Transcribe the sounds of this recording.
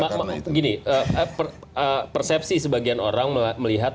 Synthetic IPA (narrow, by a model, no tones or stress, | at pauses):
maaɡiniəpə | əpərsɛp̚sisəbaɡianoɾaŋməməliɦat̪̚